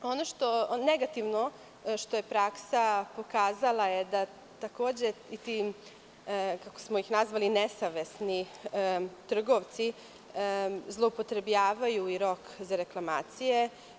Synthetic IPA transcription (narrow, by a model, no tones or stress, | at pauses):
o̞noʃt̪o̞neɡat̪iʋno | ʃt̪o̞je̞pɾaksapo̞kaːzalˠajed̪a | t̪akoːd͡ʑeit̪i | kako̥smo̞ixnazʋalinesaʋesni | t̪r̩ɡo̞ʋt̪si | zlˠoupot̪ɾe̞bʎaːʋajuiɾo̞kzaɾe̞klˠamaːt̪sije